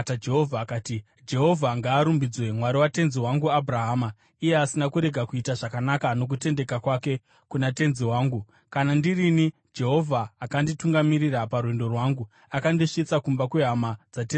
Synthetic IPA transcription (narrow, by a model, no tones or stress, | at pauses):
tad͡ʒe̞ɦovʱakaːti | d͡ʒe̞ɦo̞vʱaŋɡaːɾumbid͡zwe̞mwaɾiwate̞nziwaŋɡuabʱraɦaːma | ije̞asinakuɾe̞ɡʱakuitaʐakanakano̞k̬ute̞nde̞kakwake̞ | kunate̞nziwaːŋɡu | kanandirini | d͡ʒe̞ɦo̞vʱaːkandituŋɡamiɾiɾaparwendo̞rwaːŋɡu | akandiʂit͡sakumbakweɦamad͡zat̬e